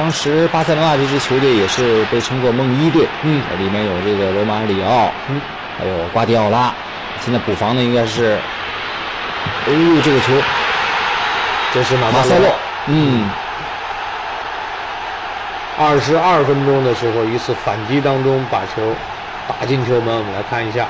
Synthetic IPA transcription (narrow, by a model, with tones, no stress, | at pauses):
t̪ɑ˥ŋʂɻ̩˧˥pa˥sa˥˧ɪlwa˧ɤ˥˧˩t͡ɕʰo˧˥ʊt͡ɕjɛ˥˩jɛ˨˩ʂɻ̩˥˧pe˥˩ɪʈ͡ʂʰɤ˥ŋkwɔ˥˧mɤ˥˧ŋi˥t̪̬we˥˩ɪn̩˥˩ə̰˧˥li˨˩mjɛ˥˩njo˨˩ʊʈ͡ʂɤ˥˩ɡə˩lo˧˥ma˧˥li˨˩ɑ˥˩ʊn̩˥˩ | xa˧˥ɪjo˨˩ʊkwa˥t̪i˥˧ɑ˥˩ʊla˥ | ɕjɛ˥˧nt͡sa˥˩pu˨˩fɑ˧˥ŋd̪ə˧i˥ŋɡa˥ɪʂɻ̩˥˩˥ | lu˥˧ʈ͡ʂɤ˥˩ɡə˩t͡ɕʰjo˧˥ʊ | ʈ͡ʂɤ˥˧ʂ̬ɻ̩˥˩ma˨˩ma˨˥sa˥lɔ˥˩ | n̩˥˩ | ɐ˥˩ʂɻ̩˧˥ɐ˥˩fə˥nʈ͡ʂʊ˥ŋd̪ə˨ʂɻ̩˧˥xo˧ʊi˧˥t͡sʰɹ̩˥˩fa˨˩nt͡ɕi˥t̪ɑ˥ŋʈ͡ʂʊ˥ŋpa˨˩t͡ɕʰjo˧˥ʊ | t̪a˨˩t͡ɕi˥˩nt͡ɕ̪ʰjo˧˥mə˧˥wmə˦nla˧˥ɪkʰa˥˩ni˧˥ɕ̬ja̰˥˩